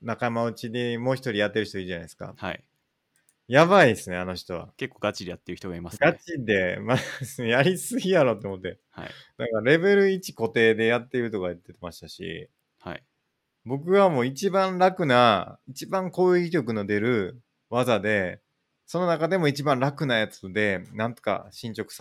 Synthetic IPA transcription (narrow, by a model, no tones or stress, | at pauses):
nakamaɯ̟t͡ɕid̪emo̞ːçi̥t̪o̞ɾʲijat̪ːe̞ɾɯ̟çi̥t̪oiːʑanaesɨ̥ka̰ha̰i | jaβaid̪esɨne̞ano̞çi̥t̪o̞βa̰ke̞kːoɡ̥at͡ɕiɾʲejat̪ːeɾ̟ç̥it̪o̞ɡaimasɡat͡ɕid̪e̞mad̪esnejaɾʲisɨɡʲijaɾot̪oːmo̞t̪ːe̞ | ha̰id̪akaɾɾe̞be̞ɾɯ̟it͡ɕi̥ko̞t̪e̞ːd̪e̞jat̪ːeɾɯ̟t̪o̞kaɯt̪ːet̪e̞maɕi̥t̪aɕḭ | ha̰i | bo̞k̬ɯ̟βamo̞ːit͡ɕibãnɾakɯ̟nait͡ɕibãŋko̞ːiiɾʲo̞k̬ɯ̟no̞d̪e̞ɾɯ̟ | βazad̪e̞ | so̞no̞nakad̪e̞mo̞it͡ɕibãnɾakɯ̟najat͡sɨd̪e̞nãnt̪o̥ka̰ɕĩɲ̟t͡ɕo̞kɯ̟̥sa